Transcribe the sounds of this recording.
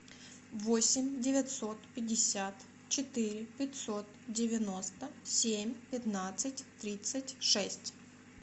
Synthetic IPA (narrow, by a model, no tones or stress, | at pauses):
vosʲɪmʲdʲɪvʲɪt̪ʲsot̪pʲɪdʲɪsʲat̪ | t͡ɕɪt̪ɪɾʲɪpʲɪtʲsot̪dʲɪvʲɪnost̪əsʲemʲpʲɪt̪nat̪sɨtʲt̪ɾʲit̪sətʲʂɛsʲtʲ